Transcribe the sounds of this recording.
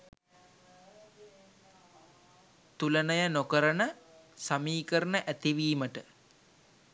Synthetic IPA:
t̪ulənəjənokəɾənəsamiːkəɾənəʔæt̪iʋiːməʈə

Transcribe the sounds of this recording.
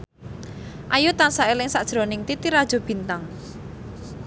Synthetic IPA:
ʔajut̪ansaʔelɪŋsaʔd̥ʒ̥ɾonɪŋt̪it̪iɾad̥ʒ̥o̤b̥i̤nt̪aŋ

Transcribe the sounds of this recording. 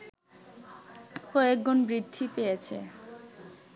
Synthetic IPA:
kɔekd͡ʑonbɾid̪ʱːipejet͡ɕʰḛ

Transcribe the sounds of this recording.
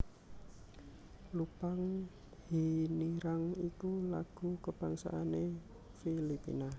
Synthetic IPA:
lupaŋ | hiniɾaŋikula̰ɡ̥ukəb̥aŋsa̰ʔːne | filipḭna

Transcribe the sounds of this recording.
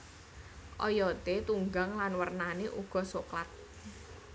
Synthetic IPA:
ʔɔ̰jɔt̪et̪uŋɡaŋlanwərnaneʔuɡ̥ɔ̤soklat̪̚

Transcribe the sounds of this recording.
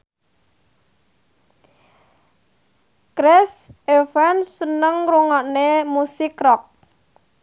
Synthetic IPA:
kɾɛsefansənəŋruŋɔʔnemusikɾɔk̚

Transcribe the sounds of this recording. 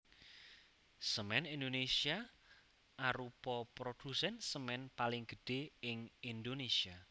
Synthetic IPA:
səmɛnind̪onesia | aɾupɔpɾod̪̥usɛnsəmɛnpalɪŋɡ̥ə̤ɖ̥e̤ɪŋind̪onesia

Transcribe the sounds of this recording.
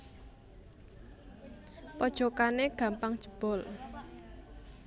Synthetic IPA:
pɔd̥ʒ̥ɔ̤kaneɡ̥a̤mpaŋd̥ʒ̥ə̤b̥ɔ̤l

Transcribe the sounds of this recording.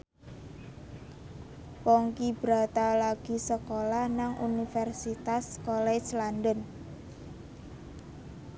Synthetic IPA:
pɔŋkib̥ɾa̤t̪alaɡ̥i̤səkolahnaŋʔṵnifɛrsit̪askolɛslandən

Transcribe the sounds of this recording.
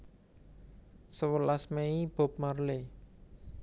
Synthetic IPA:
səwəlasmeib̥o̤p̚marle

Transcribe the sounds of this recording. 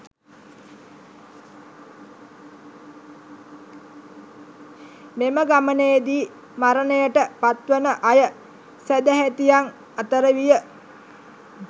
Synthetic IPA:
meməɡamənejed̪iː | maɾənəjəʈəpat̪ʋənəʔajə | sæd̪əɦæt̪ijaŋ | at̪əɾəʋijə

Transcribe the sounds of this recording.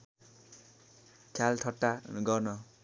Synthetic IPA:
t͡ʃʰjalt̪ʰʌʈːaɡʌrnʌ

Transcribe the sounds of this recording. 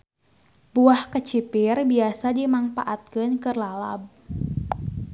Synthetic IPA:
buahkət͡ʃipɪrbiasadimaŋfaʔat̪̚kɨnkɨrlala̰b̚

